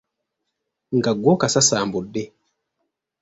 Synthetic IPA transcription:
ŋɡaɡwɔkasasaːmbudɛ

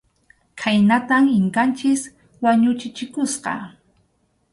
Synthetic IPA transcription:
kʰajnat̪amɪŋkant͡ʃɪs | waɲʊt͡ʃɪt͡ʃɪkʊsqɑ̰

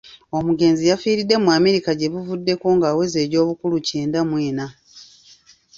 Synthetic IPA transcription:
o̞muɡe̞ːnzijafiːɾidːe̞mwaːmeɾikaɟe̞βuvudːe̞ko̞ːŋɡaːwe̞ze̞ːɾo̞ːβukuluceːndamwe̞ːna

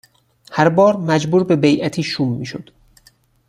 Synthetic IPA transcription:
hæɾbɒːɾmæd͡ʒbuːɾbe̞bejʔæt̪ʰiːʃuːmːiːʃo̰d̪̥

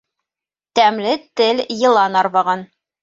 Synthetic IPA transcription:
t̪æmlɘt̪ɘljɤ̆lˠɑnɑɾβɑʁɑn

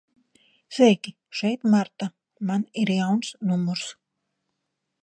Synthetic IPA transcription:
sɛjki | ʃɛjt̪maɾt̪a | maniɾjawnsnumuɾs

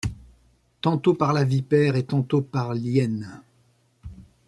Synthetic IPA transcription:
t̪ɑ̃t̪opaʁlavipɛʁet̪ɑ̃t̪opaʁljɛn

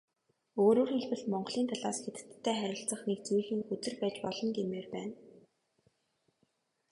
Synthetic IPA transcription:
oːɾoːrxeɮpɘ̆ɬt̪mɔɴɢ̆ɮiːnt̪ʰaɮaːsxet̪ɘ̥̆t̪ʰːæːχæɾʲɪ̆ɬt͡sə̆χnekt͡sujɮĭːŋxɵt͡s̪ɘ̆rpæːt͡ɕpɔɮɞ̆nɡ̪emeːrpæːn

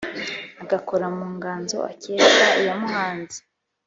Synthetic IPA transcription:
aɡakoɾamuːŋɡaːnzo̞̰ʔa̰ceːɡaijamuhaːnzi̥

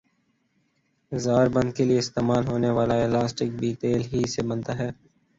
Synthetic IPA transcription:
zaːɾbə̃nd̪̚kelieɪst̪eːmaːlɦoːneʋaːlaeːlaːsʈɪk̚biːt̪eːlɦisebɐnt̪aɦɛː

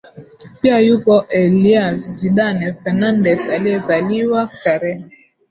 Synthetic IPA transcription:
piajukɔʔeliazidanɛfɛnandɛsaliɛzaliwataɾɛ

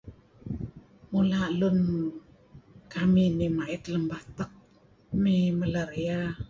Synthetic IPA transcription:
mulalun | kaminimaʔit̪ləmbat̪ək̚ | miməlaɾia

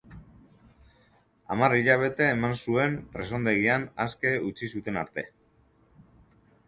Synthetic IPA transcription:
a̰mariʎaβ̞e̞t̪e̞ːmansue̞mpɾe̞so̞nd̪e̞ɣianaske̞ut͡sisut̪e̞naɾt̪e̞

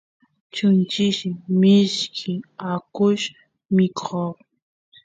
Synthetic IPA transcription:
t͡ʃʊnt͡ʃɪʃɪmɪʃkʰɪakʊʃ | mɪkʰo

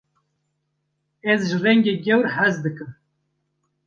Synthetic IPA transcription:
ɛzʒɨrɛŋɡʲeːɡʲɛwɾhæzd̪ɨkɨm

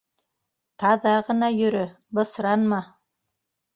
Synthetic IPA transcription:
t̪ɑðɑʁɤ̆nɑjɵ̆ɾɵ | bɤ̆sɾɑnmɑ

